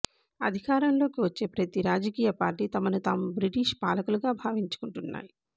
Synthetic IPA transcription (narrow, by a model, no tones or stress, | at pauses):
ɐ̰d̪ʱikaːɾɐmlo̞ːkiʋɐt͡ʃːe̞ːpɾɐt̪iɾaːd͡ʒɐkiːjɐpaːɾʈiːt̪ɐmɐnut̪aːmubɾiʈiːʃpaːlɐkuluɡaːbʱaːʋiɲt͡ʃu̥kuɳʈunːa̰ːji